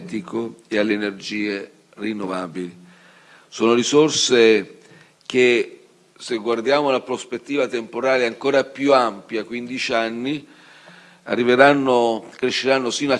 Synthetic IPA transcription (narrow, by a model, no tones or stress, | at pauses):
t̪ikoealːeːnerd͡ʒiːe | rinːovaːbili | soːnoɾisorse | k̟e | seɡward̪jaːmounapɾospet̪ːiːvat̪empoɾaːleaŋkoːɾapjuampjakwind̪it͡ʃianːi | a̰rːiveɾanːokɾeʃːeɾanːosiːnoa